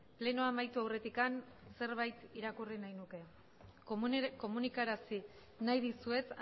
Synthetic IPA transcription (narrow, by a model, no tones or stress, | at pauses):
ple̞no̞amajt̪uawre̞t̪ikanse̞ɾβajt̪iɾakurinajnuke̞ | ko̞munikaɾasi | najðisue̞t͡s